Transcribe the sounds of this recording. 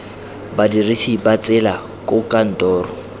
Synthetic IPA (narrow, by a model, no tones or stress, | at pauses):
badirisibat͡sʼɪla | kʼʊkʼan̩tɔːrɔ